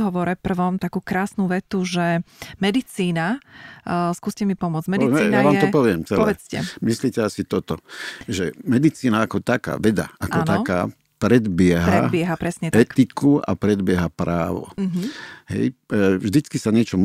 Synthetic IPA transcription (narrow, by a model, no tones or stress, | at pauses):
ɦɔʋɔɾɛpr̩ʋɔmt̪akuːkɾaːsnuʋɛt̪uʒɛmɛd̪it͡siːna | skuːscɛmipɔmʊɔd͡zɟmɛiɛijnaʋaːmɛt̪ɔpɔʋɪɛmt͡sɛɔlʋɛt͡scɛ̰misliːcɛasit̪ɔt̪ɔʒɛmɛd̪it͡siːnaakɔt̪aka̰ːʋɛd̪a̰akɔnt̪aɔka̰ː | pɾɛd̪bɪɛɦaɾ̰ɛbɪɛɦapɾɛsɲɛt̪ɛtk̪ikua̰pɾɛd̪bɪɛɦapɾaːʋɔ̰ɦɦɛ̰jvʒd̪it͡skisaɲɪɛt͡ʃɔm